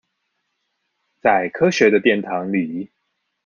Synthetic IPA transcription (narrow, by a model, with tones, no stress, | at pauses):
t͡sa˥˩ɪkʰɤ˦ɕɥɛ˨˧˦d̪ə˧t̪jɛ˥˩nt̪ʰɑ˨˦ŋli˨˩